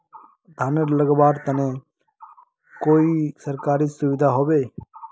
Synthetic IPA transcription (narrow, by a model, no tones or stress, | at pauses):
d̪ʱaːnəɾləɡbaːɾt̪ənẽ | koːisəɾkaːɾiːsʊʋɪd̪ʱaɦoːbeː